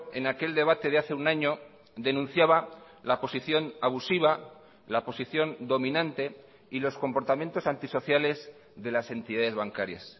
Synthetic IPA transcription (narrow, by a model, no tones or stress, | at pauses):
e̞nake̞ld̪eβ̞at̪e̞ðeaθe̞unaɲo | ðe̞nũnθjaβa | lapo̞siθjo̞naβ̞usiβ̞a | lapo̞siθjo̞nd̪o̞mĩnãnt̪e̞ | ilo̞sko̞mpo̞ɾt̪amjẽ̞nt̪o̞sant̪iso̞θjale̞z | ðe̞lase̞nt̪iðaðe̞zβaŋkaɾja̰s